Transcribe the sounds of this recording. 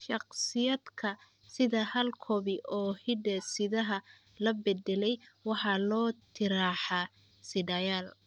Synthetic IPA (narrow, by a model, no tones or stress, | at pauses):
ʃɑqsɪjɐd̪kʰɐ | sɪðɐhɐlkʰɔβɪʔɔːhɪɖɐsɪðɐɦɐ | lɐbɛd̪ɛlɛjwɑħɑlɔːt̪ʰɪɾaːħɑ | sɪɖɐjaːl